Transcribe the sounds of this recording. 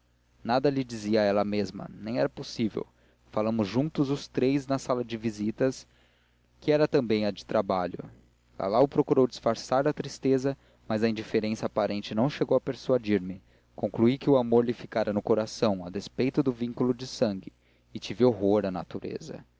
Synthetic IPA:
nad̪ɐlɪd͡ʒiziɐɛlɐmezmɐ̰nẽj̃ɛɾɐposivḛw | falɐ̃mʊzʒũnt̪ʊzʊst̪ɾejznɐsalɐd͡ʒɪvizit̪ɐs | kɪɛɾɐt̪ɐ̃mbẽj̃ɐd͡ʒɪ̥t̪ɾabaʎʊ̰ | ɡa̰lawʊpɾokuɾowd͡ʒɪsfaɾsaɾɐt̪ɾist̪ezɐ | mazɐĩd͡ʒifeɾẽsɐapaɾẽnt͡ʃɪnɐ̃w̃ʃeɡowɐpeɾsuad͡ʒiɾmɪ | kõŋkluikɪʊamoɾlɪfikaɾɐnʊkoɾasɐ̃w̃ɐd̪espejt̪ʊd̪ʊvĩŋkulʊd͡ʒɪsɐ̃ŋɡɪː | t͡ʃivɪoɦoɾɐna̰t̪uɾḛzɐ̰

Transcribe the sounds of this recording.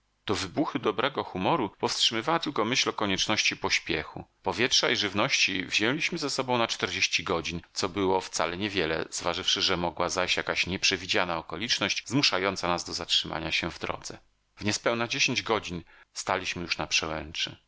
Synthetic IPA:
d̪̥ɔvɘbuxɘd̪ɔbɾɛɡɔxumɔɾupɔfstʂɘmɘvawat̪ɘlkɔmɘɕlɔkɔɲɛt͡ʂnɔɕt͡ɕipɔɕpʲjɛxṵpɔvʲjɛtʂaiʐɘvnɔɕt͡ɕivʑɛlʲiɕmɘzɛsɔbɔ̃w̃nat͡ʂt̪ɛɾd͡ʑeɕt͡ɕiɡɔd͡ʑint̪sɔbɘwɔft̪sa̰lɛɲɛvʲjɛlɛ̰z̥vaʐɘfʂɘʐɛmɔɡwazajɕjakaɕɲɛpʂɛvʲid͡ʑanaɔkɔlʲit͡ʂnɔɕd͡ʑzmuʂajɔnt̪sanazd̪ɔzatʂɘmʔa̰ɲaɕɛvd̪ɾɔ̰d̪zɛ | vɲɛspɛwnad͡ʑeɕeɲd͡ʑɡɔd͡ʑinst̪alʲiɕmɘjuʂnapʂɛwɛnt͡ʂɘ̰

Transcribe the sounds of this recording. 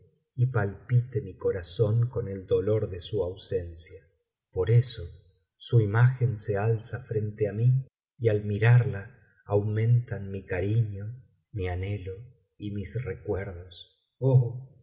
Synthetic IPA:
ipalpit̪emiko̞ɾaso̞ŋkoneld̪o̞lo̞ɾðesuawsensja | po̞ɾeso | suimaxensealsafɾent̪eami | ialmiɾaɾlaː | wmẽ̞nt̪anmikaɾiɲo | mianelo | imisrekweɾðos | o

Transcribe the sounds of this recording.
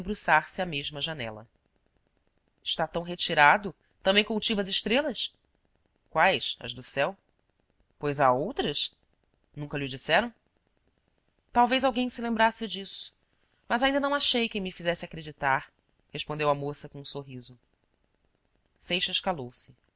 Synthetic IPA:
bɾusaɾsɪameʒmɐʒanɛ̰lɐ̰ | ɪʃt̪at̪ɐ̃w̃ɦet͡ʃiɾad̪ʊ | t̪ɐ̃mbẽj̃kuwt͡ʃivɐzɪʃt̪ɾelɐs | kwajsɐ̰ʒd̪ʊsɛw | pojzaowt̪ɾɐs | nũkɐlʊd͡ʒisɛɾɐ̃w̃ | t̪awvejzawɡẽj̃sɪlẽmbɾasɪd͡ʒisʊ̥ | mɐzaĩd̪ɐnɐ̃w̃aʃejkẽj̃mifizɛsɪakɾed͡ʒit̪aɾ | heʃpõd̪ewɐmosɐkõũsoɦizʊ | sejʃɐʃkalowsɪ̥

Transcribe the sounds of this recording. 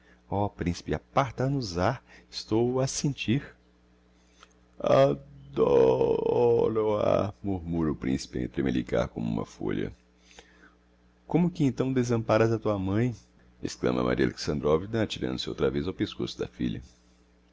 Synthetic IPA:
ɔpɾĩsi̥pɪapaɾt̪anʊzaɾɪst̪owɐsẽnt͡ʃiɾ | ad̪ɔɔɾoamuɾmuɾɐʊpɾĩsi̥pɪḛ̃t̪ɾemelika̰ɾkõmʊũmɐ̰fo̰ʎɐ̰ | kõmʊkɪẽnt̪ɐ̃w̃d̪ezɐ̃mpaɾɐzɐt̪uɐmɐ̃j̃ | ḛsklɐ̰̃mɐ̰mʔa̰ɾiɐa̰lḛksɐ̃nd̪ɾɔvinɐt͡ʃiɾɐ̰̃d̪ʊsɪo̰wt̪ɾɐvezawpeskosʊd̪ɐfiʎɐ̰

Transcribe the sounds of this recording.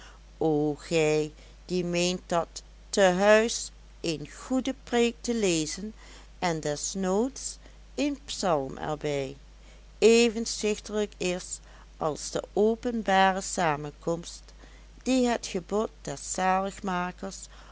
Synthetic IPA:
oxɛj | d̥imejnt̚dɑtː | əɦœɥs | enχudəpreːk̚təlejzən | ʔɛndɛsnoːts | ɪnpsɑlˠmɛ̰ɹbɛj | eːvənzɪxtələkɪs | ʔɑlˠzd̥ə̰ʔowpənbaːrəsaːmənkɔmst | d̥iɦətχəbɔt̚d̥ɛɹsaːləχmaːkəɹs

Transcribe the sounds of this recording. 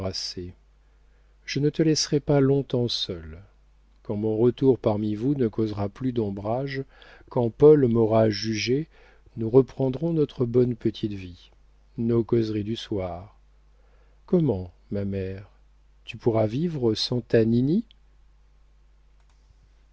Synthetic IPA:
ase | ʒ̥ənət̪əlɛsʁɛpalɔ̃t̪ɑ̃sœl | kɑ̃mɔ̃ʁət̪uʁpaʁmivunəkozʁaplyd̪ɔ̃bʁaʒkɑ̃pɔlmɔʁaʒyʒe | nuʁəpχɑ̃d̪ʁɔ̃nɔt̪χəbɔnpət̪ʰit̪vi | nokɔzʁid̪yswaʁ | kɔmɑ̃ | mamɛʁ | t̪ypuʁavivʁəsɑ̃t̪anini

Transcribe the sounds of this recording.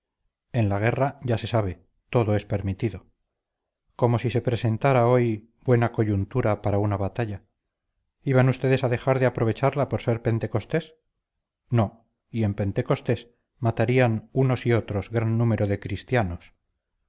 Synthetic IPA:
e̞nlaɣ̞e̞raɟ͡ʝase̞saβe̞ | t̪o̞ðoe̞spe̞ɾmit̪iðo̞ | ko̞mo̞sise̞pɾe̞se̞nt̪aɾao̞j | bwe̞nako̞ʝunt̪uɾapaɾaunaβat̪aʎa | iβanust̪e̞ðe̞saðe̞xaɾðeapɾo̞β̞e̞t͡ʃaɾlapo̞ɾse̞ɾpe̞nt̪e̞ko̞st̪e̞s | no̞ | ie̞mpe̞nt̪e̞ko̞st̪e̞s | mat̪aɾianuno̞sio̞t̪ɾo̞zɣɾanːũme̞ɾoðe̞kɾist̪janos

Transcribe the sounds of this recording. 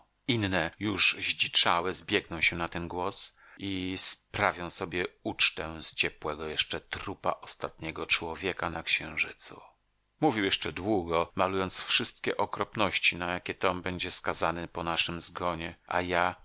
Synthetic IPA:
inːɛjuʐʑd͡ʑit͡ʂawɛzbʲjɛɡnɔ̃w̃ɕɛnat̪ɛnɡwɔs | ispɾavʲjɔ̃w̃sɔbʲjɛut͡ʂt̪ɛst͡ɕɛpwɛɡɔjɛʂt͡ʂɛt̪ɾupa̰ʔɔst̪at̪ɲɛɡɔt͡ʂwɔvʲjɛkanakɕɛ̃w̃ʐɘt̪sṵ | muvʲiwjɛʂt͡ʂɛd̪wuɡɔmalujɔnt̪sfʂɘst̪̚kʲɛʔɔkɾɔpnɔɕt͡ɕinajakʲɛt̪ɔmbɛɲd͡ʑɛskazanɛpɔnaʂɘmzɡɔɲɛʔa̰ja

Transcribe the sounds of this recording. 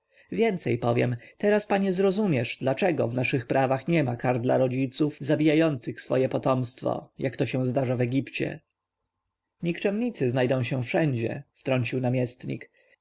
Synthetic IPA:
vʲjɛnt̪sɛjpɔvʲjɛ̰mt̪ɛɾaspaɲɛzɾɔzumʲjɛʂd̪lat͡ʂɛɡɔ̰vnaʂɘxpɾavaxɲɛmakaɾd̪la̰ɾɔd͡ʑit̪sufzabʲijajɔnt̪sɘxsfɔ̰jɛpɔt̪ɔmst̪fɔ̰jakt̪ɔɕɛ̃w̃zd̪aʐavɛɡʲipt͡ɕɛ̰ | ɲikt͡ʂɛmɲit̪sɘznajd̪ɔ̃w̃ɕɛ̃fʂɛɲd͡ʑɛ̰ft̪ɾɔɲt͡ɕiwnamʲjɛst̪ɲḭk

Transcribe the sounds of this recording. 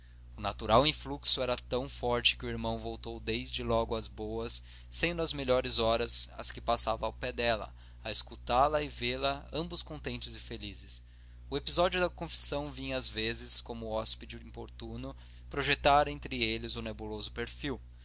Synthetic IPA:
ʊnat̪uɾawĩfluksʊɛɾɐt̪ɐ̃w̃fɔɾt͡ʃɪ̥kɪʊiɾmɐ̃w̃vowt̪owd̪ejzd͡ʒɪlɔɡʊɐzbowɐsː | ẽnd̪ʊɐzmeʎɔɾɪzɔɾɐzɐ̰skɪpasavɐ̃awpɛd̪ɛlɐ̰ | ɐeskut̪alɐɪveɾlɐɐ̃mbʊskõnt̪ẽnt͡ʃɪzɪfelizɪs | ʊepizɔd͡ʒiʊd̪ɐkõfi̥sɐ̃w̃vĩɲɐzvezɪskõmʊɔspid͡ʒʊĩmpoɾt̪unʊ | pɾoʒet̪aɾẽnt̪ɾɪelɪzʊnebulozʊpeɾfiw

